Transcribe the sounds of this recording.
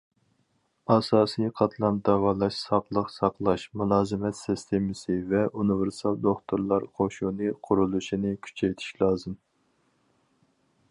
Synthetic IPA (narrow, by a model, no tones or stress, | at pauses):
ɑsɑːsijqʰɑt̪ʰlˠɑnd̪ɑʁɑːlˠɑʃsɑqlˠəqsɑqlˠɑʃmulˠɑːzɨmɛt̪sɪst̪ʰemɪsɨvɛunɪvɪɾsɑlˠd̪oχt̪ʰoɾlˠɑɾqʰoʃunɨqʰʊɾulˠuʃinɪkʲʰy̥t͡ʃʰɛjt̪ʰi̥ʃlˠɑːzɨm